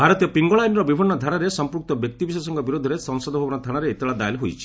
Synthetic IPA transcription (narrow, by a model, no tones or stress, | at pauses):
bʱaɾɔt̪ijɔpiŋɡoɭajnɾɔbibʱinːɔd̪ʱaɾaɾesɔmpɾuk̚t̪ɔbjɔk̚t̪ibis̬ɔsɔŋkɔbiɾod̪ʱɔɾesɔŋsɔd̪ɔbʱɔbɔnɔd̪ʱaɽ̃aɾeːt̪eɭad̪aelɦojt͡ʃʰi̥